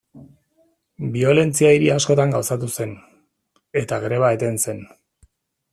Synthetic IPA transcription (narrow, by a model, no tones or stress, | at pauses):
bio̞le̞nt͡siaiɾiasko̞t̪aŋɡawsat̪use̞n | e̞t̪aɣɾe̞β̞ae̞t̪e̞nse̞n